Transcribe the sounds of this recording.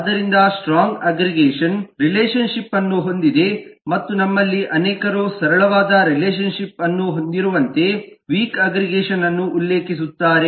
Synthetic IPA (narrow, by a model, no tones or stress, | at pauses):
d̪ɐɾind̪ɐsʈɾaːŋɡɐɡɾiɡeːʂɐnɾileːʃɐnʂipːɐnːuɦo̞nd̪id̪e̞mɐt̪ːunɐmːɐlːiʔɐnɛːkɐɾoːsɐɾɐɭɐʋaːd̪ɐɾileːʃ̬ɐnʃipɐnːuɦond̪iɾuʋɐnt̪e̞ʋiːkɐɡɾiɡeːʃɐnɐnːuʔːlːeːkis̬ut̪ːaːɾe